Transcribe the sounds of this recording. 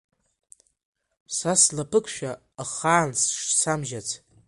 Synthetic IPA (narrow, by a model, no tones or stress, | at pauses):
saslapʰɨkʷʰʃᶣa | χaːnsʂsʰamʒat͡sʰ